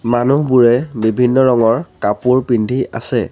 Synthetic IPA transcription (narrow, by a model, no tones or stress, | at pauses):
manuɦbuɹɛbibʱinːɔɹɔŋɔɹkapuɹpindʱiʔa̰sɛ